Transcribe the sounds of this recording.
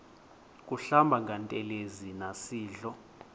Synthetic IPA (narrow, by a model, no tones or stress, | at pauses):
kʼuɬambʱaŋɡʱantʼɛlezinasiːɮɔ